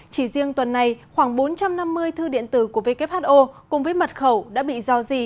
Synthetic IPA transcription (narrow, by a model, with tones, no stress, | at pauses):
t͡ɕi˧˩zi˧əŋt̪wə˨˩nːa˨˩jxwaː˧˩ŋɓo˨˦nt͡ɕa˧mna˧mːɨ˧əjt̪ʰɨ˧ɗḭ˧˨ənt̪ɨ˧˩ku˧˩əve˧kɛ˦˥p̚haː˦˥t̚ʔo˧kʊ˨˩ŋ͡mvəː˨˦jmə˨˩t̚xə˧˩wɗa̰ː˧˥ɓḭ˧˨zɔ˧zi˧˩